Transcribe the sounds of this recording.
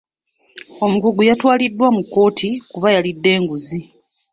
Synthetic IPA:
o̞muɡuɡujatwaːlidːwamukːo̞ːtʰikuβajalidːe̞ːŋɡuzi

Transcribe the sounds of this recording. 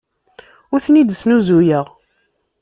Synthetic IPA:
ʊɾθnid̪snuzujəʁ

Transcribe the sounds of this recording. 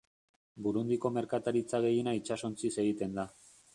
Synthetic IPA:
buɾund̪iko̞me̞ɾkat̪aɾit͡saɣe̞jinait͡ʃaso̞nt͡sise̞ɣ̞it̪e̞nd̪a

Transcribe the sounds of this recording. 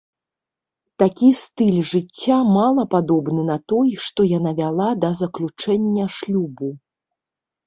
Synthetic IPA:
t̪akʲist̪ɨlʲʐɨt͡sʲːamalˠɐpad̪ɔbnɨnɐt̪ɔjʂt̪ɔjanavʲalˠad̪ɐzɐklʲut͡ʂɛnʲːɐʂlʲubu

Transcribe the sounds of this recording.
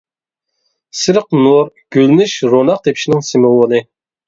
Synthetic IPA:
sɨɾəqnuɾɡ̥ʲølnyʃɾonɑq̚t̪ʰepʰi̥ʃinɪŋsɪmowonɨ

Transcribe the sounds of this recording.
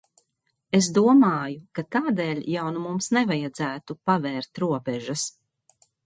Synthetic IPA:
es̬d̪uɔmaːjukat̪aːd̪eːlʲjawnumumsnɛvajad̪zæːt̪upavɛːɾt̪ɾuɔpɛʒas

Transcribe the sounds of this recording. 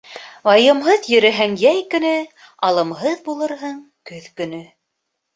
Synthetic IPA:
ɑjɤ̆mɦɤðjɵ̆ɾæɦæŋjæjkɵ̆nɵ | ɑlˠɤ̆mɦɤðbulˠɤ̆ɾɦɤɴ | kɵðkɵ̆nɵ

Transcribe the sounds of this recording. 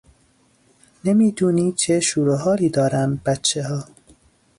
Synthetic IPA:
nemiːd̪uːniːt͡ʃʰeʃuːɾoɦɒːɾiːd̪ɒːɾæmb̥æt̪t͡ʃʰːeɦɒː

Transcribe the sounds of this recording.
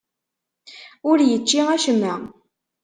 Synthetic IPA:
ʊɾjət͡ʃːiæʃəmːæ

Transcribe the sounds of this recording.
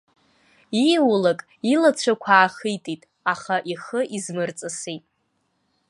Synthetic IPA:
iwlakʼ | ilat͡ɕʷʰakʷʰaːχɨjtʼitʼ | aχaʔiχəʔizmɨrt͡sʼɨsijtʼ

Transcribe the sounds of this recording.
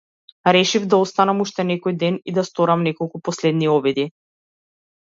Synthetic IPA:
ɾɛʃivd̪aɔst̪anamuʃt̪ɛnɛkɔjd̪ɛnid̪ast̪ɔɾamnɛkɔlˠkupɔslɛd̪niɔbɛd̪i

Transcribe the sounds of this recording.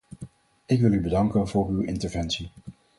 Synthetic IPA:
ɪkʋɪlˠybədɑŋkənvʊːɹywɪntəɹvɛnsi

